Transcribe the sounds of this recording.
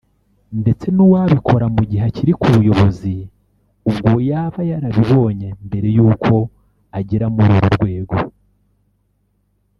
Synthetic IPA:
nde̞t͡se̞nuwaβikʰo̞ɾamuɟiɦaciɾikuβujo̞βo̞zi | ubɡojaːβajaɾaβiβo̞ːɲe̞mbe̞ɾe̞juːkʰo̞ | aɟiɾamuɾuɾuɾɡwe̞ːɡo̞

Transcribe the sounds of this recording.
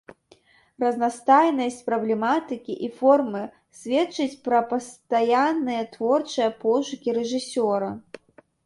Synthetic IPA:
rɐznast̪ajnɐsʲt͡sʲpɾɐblʲɛmat̪ɨkʲiʔifɔrmɨ | sʲvʲɛtt͡ʂːɨt͡sʲpɾɐpɐst̪ajanːɨjɐt̪vɔrt͡ʂɨjɐpɔʂukʲiɾɛʐɨsʲɔɾɐ

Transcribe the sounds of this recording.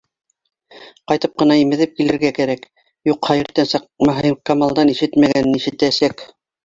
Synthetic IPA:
qɑjt̪ɤp̚qɤ̆nɑimɘ̆ðɘp̚kilɘ̆ɾɡækæɾæk | juqχhæjɘ̆ɾt̪ænsɑqmɑɦɤmkɑmɑlˠd̪ɑniʃɘt̪mæɡænɘniʃɘ̆t̪æsæk

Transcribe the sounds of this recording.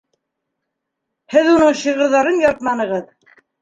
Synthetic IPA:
hɘðunɤɴɕɤ̆ʁɤ̆ɾðɑɾɤnjɑɾt̪̚mɑnɤ̆ʁɤð

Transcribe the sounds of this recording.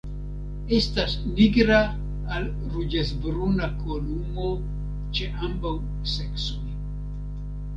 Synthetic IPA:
e̞stasniɡɾaː | l | ɾud͡ʒesbɾunakolumo̞ | t͡ʃe̞ʔambaw | se̞ksoj

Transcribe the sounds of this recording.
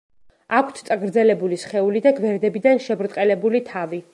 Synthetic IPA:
akʷʰt̪ʰt̪sʼaɡɾd̪zɛlɛbulisχɛulid̪aɡvɛɾd̪ɛbid̪anʃɛbɾt̪ʼqʼɛlɛbulit̪ʰavi

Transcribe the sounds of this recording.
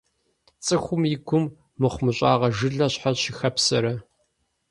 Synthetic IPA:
t͡sʼɨxʷʊmjɪɡʷʊmː | ɨχʷmɨɕʼɑːʁɐʒɨɮɐɕħaɕixɐpsɐɾɐ

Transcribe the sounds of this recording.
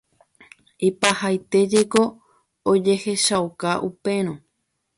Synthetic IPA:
ipahajt̪e̞d͡ʒeko̞ | od͡ʒe̞he̞ʃawkaʔupe̞ɾ̃õ

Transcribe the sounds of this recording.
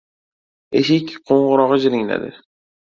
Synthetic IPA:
eʃɪkʲqʰoɴʁʊɾɒʁd͡ʒɪɾɪŋla̰d̪ɪ̰

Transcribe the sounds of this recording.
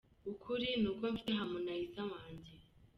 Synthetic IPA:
ukʰuɾinuːkoɱfi̥teɦamunaizawaːɲɟe

